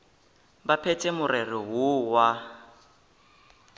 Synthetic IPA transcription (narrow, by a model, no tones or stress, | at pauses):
bapʰɛtʼɛmʊrɛrɪɦʊwa